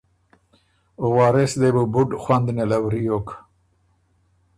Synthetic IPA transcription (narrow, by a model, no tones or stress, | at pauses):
owɑːɾesd̪ebubuɖxwand̪nelawɾijok